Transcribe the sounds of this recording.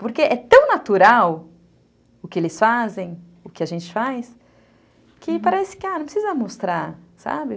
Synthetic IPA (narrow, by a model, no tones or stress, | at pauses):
poɾkeʔɛt̪ɐ̃w̃nat̪uɾaw | ʊkɪelɪsfazẽj̃ | ʊkɪaʒẽnt͡ʃɪ̥fajs | kɪpaɾɛsɪ̥kɪanɐ̃pɾɪsizɐmost̪ɾaɾsa̰bɪ